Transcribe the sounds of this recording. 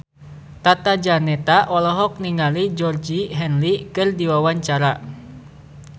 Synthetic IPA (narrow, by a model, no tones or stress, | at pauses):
t̪at̪ad͡ʒanɛt̪aʔɔlɔɦɔk̚niŋalid͡ʒɔrd͡ʒiɦɛnlikɨrdiwawaɲt͡ʃaɾa